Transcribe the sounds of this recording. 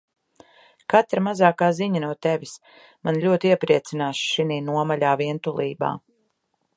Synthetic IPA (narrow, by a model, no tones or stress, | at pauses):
kat̪ɾamazaːkaːziɲanuɔt̪evʲis | manʎʲuɔt̪iɛpɾiɛt̪sinaːʃʃiniːnuɔmaʎʲaːviɛnt̪ulˠiːba̰ː